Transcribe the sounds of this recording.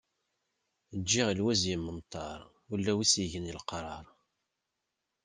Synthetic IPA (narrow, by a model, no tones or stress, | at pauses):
d͡ʒːiʁlwæzjimːənt̪ˤʰːɑɾˤ | ulːæwisiʝənəlqɾˤɑɾˤ